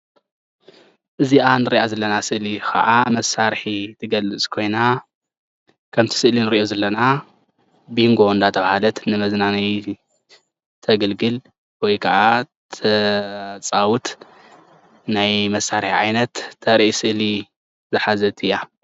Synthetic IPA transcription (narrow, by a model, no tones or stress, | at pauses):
ʔɨziʔanɨɾiʔazɐlːɐnasɨʔlixɐ̰ʔamɐsaɾħit̪ʰɨɡɐlɨt͡sʼkʰo̞jna | kʰɐmt̪ʰi̥sɨʔlinɨɾiʔozɐlːɐna | biŋɡo̞nd̪at̪ʰɐβahalɐt̪nɨmɐznanij | t̪ʰɐɡɐlɡɨl | wɔjkʰɐʔa | t̪ʰɐt͡sʼawut̪ | najmɐsːaɾħiʕajnɐt̪ʰːɐɾʔisɨʔli | zɨħazɐt̪ʰɨjːa